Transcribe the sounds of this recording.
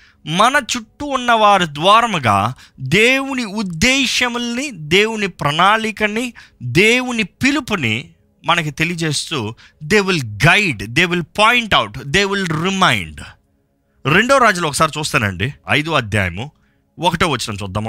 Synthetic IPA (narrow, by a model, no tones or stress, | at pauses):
mɐnɐt͡ʃuʈːuːnːɐʋaːɾid̪ʋaːɾɐmɐɡa̰ː | d̪eːwuniud̪ːeːʃɐmnid̪e̞ːwunipɾɐnaːlikɐnid̪eːwunipilupunḭ | mɐnɐk̬it̪e̞lijɐd͡ʒe̞ːst̪uː | d̪eːʋilɡɐjɖd̪e̞ːʋilpajɳʈɐwʈd̪e̞ːʋilɾimɐjɳɖ | ɾeɳɖoːɾaːd͡ʒulɔkːɐsaːɾit͡ʃuːst̪anɐ̰ɳɖiɐ̰jd̪oɐd̪ʱja̰ːjɐ̰mu | ɔkɐʈoːʋɐt͡ʃːɐɽɐmt͡ʃɔd̪ːɐm